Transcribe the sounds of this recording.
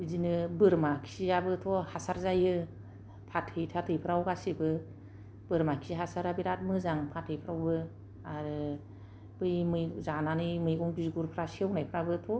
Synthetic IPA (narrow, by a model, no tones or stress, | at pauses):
izinɯbɯɾmakʰi̥siabɯtʰɔhasaɾzajɯ | pʰatʰhɯjtʰatʰɯjpʰɯɾawɡasibɯ | b̥ɯɾmakʰi̥siɦasaɾabiɾat̚mɯzaŋpʰatʰɯjpʰɾawbɯ | aɾɯ | bɯjmɯjzananɯmɯjɡɔŋbizɡuɾpʰɾasewnajpʰɾabɯtʰɔ